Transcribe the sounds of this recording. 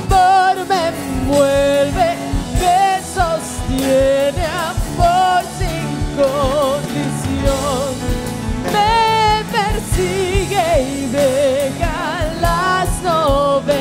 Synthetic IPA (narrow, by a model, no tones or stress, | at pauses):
poɾme | mwelβekesost̪jeneapoɾsiŋkond̪isjonn | mepeɾsiɣeiβeɣa | lasnoβe